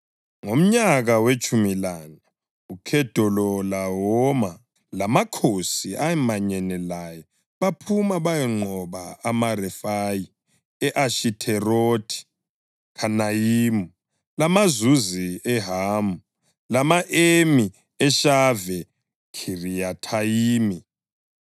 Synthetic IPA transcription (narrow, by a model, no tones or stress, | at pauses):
ŋom̩ɲaɣawet͡ʃʼumilana | ukʰɛd̥ʱɔlɔlaɦɔma | lamakʰosiʔaɛmaɲɛnɛlajɔ | βapʰumaβajɛŋ͡ǃʱɔβaamarɛfaji | ɛʔaʃitʰɛrotʰi̥ | kʰanajiːmu | lamazuziɛɦaːmu | lamaʔemi | ɛʃavɛ | kʰirijatʰaiːmi